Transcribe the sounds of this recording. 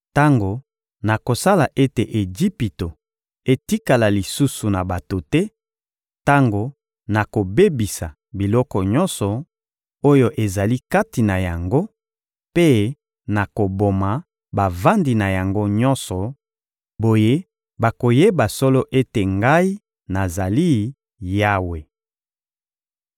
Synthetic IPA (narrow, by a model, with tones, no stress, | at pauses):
ta˦ŋɡo˨ | na˨ko˨sa˦la˨ʔe˦te˨ʔe˨d͡ʒi˦pi˨to˨ | e˨ti˦ka˨la˨li˨su˦su˨na˨ba˨to˨tɛ˦ | ta˦ŋɡo˨ | na˨ko˨be˦bi˨sa̰˨ | bi˨lɔ˦kɔ˨ɲɔ˦nsɔ˨ | o˦jo˦ʔe˨za˨li˦ka˦ti˨na˨ja˨ŋɡo˦ | pe˦ | na˨ko˨bo˨ma˨ | ba˨va˦ndi˨na˨ja˨ŋɡo˦ɲɔ˦nsɔ˨ | bo˨je˦ | ba˨ko˨je˦ba˨sɔ˦lɔ˦ʔe˦te˨ŋɡa˦i˦ | na˨za˨li˦ | ja˦we˨